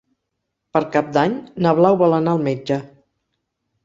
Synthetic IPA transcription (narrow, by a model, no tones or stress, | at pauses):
pəɾkap̚d̪aɲnəβ̞lawβalənaəlˠmed͡ʒə